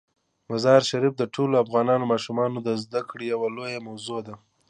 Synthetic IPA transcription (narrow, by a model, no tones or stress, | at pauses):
mazɑɾʃaɾifd̪əʈʰoloafɣɑnɑnomɑʃumɑnod̪əzd̪akɽejawalojamawzod̪a